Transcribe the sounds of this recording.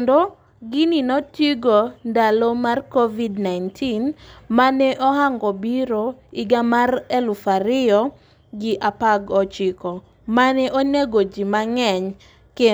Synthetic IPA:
ndo | ɡininɔtiɡondalomarkovidnajntʰinmanɛʔɔhaŋɡɔbiɾoɪɡamarɛlufaɾɪɔ | ɡɪʔapaɡɔt͡ʃɪkɔ | manɛʔoneɡod͡ʒimaŋɛɲ | ke

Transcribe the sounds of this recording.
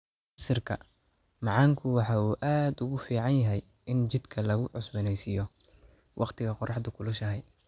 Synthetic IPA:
sɪrkʰɐ̰ | mɑʕɑŋkʰʊwɑħɑːuːʔaːd̪ʊɣʊfiːʕɑnjɐɦɛj | ɪnt͡ʃɪd̪kʰɐlɐɣʊʕʊsbɪnɛjsijɔ | wʔɑqt̪ʰɪɣɐqɔrʔɑħd̪ʊkʰʊlʊʃɐɦɛj

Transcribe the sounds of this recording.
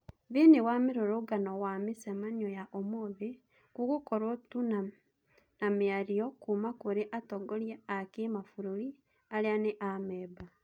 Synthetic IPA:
βiniwamiɾoɾuɡanowamisemanojaʔomoβi | kukukoɾotuna | namiaɾijokumakuɾiʔatoɡoljeakimafuɾuli | alianeʔameːba

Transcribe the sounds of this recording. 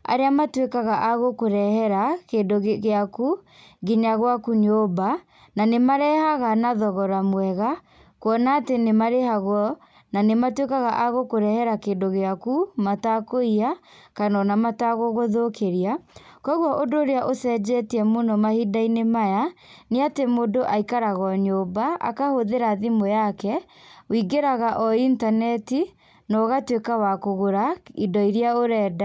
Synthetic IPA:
a̰ɾeamatwekaɣaʔaɣokoɾɛhɛɾakedoɣɣeaku | ɡiɲaɣwakuɲoba | nanemaɾɛhaɣanaðɔɣɔɾamwɛɣa | kwɔnaːtenemaɾehaɣwɔ | nanematwekaɣaʔaɣokoɾɛhɛɾakeːndoɣeakumatakoiakanɔnamataɣoɣoðokeɾiakɔɣwɔʔodoːɾeaʔosɛd͡ʑɛtiɛmonɔmahidainemajaneatemodoʔaikaɾaɣɔɲobaa̰kahoðeɾaðimojakɛ | wiɡeɾaɣaʔɔintanɛti | nɔɣatwekawakoɣoɾaidɔiɾiaoɾɛːda

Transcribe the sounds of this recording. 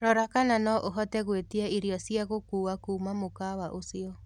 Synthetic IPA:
ɾɔɾakananɔʔoɦɔtɛɣwetiɛiɾjɔsiaɣokuːakuːmamokawaʔosiɔ

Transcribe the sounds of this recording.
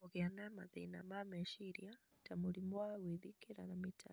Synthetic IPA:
ɔɣɛanamaðɛina̰mamɛʃiɾia | tamulimwaɣwiðikɛɾa̰namitʰa̰

